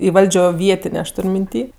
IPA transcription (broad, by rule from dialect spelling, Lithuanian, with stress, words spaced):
ɪ ˈʋɐlʲd͡ʒʲoː ˈʋʲiɛtʲɪnʲeː ɐʃ ˈtʊrʲ mʲɪnʲˈtʲiː